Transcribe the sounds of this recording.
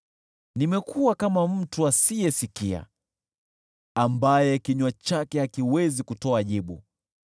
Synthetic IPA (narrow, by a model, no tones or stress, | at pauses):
nimɛkʰuwakamam̩tuasijɛsikia̰ | ambajɛkiɲwat͡ʃakɛhakiwɛzikutɔaʄiɓu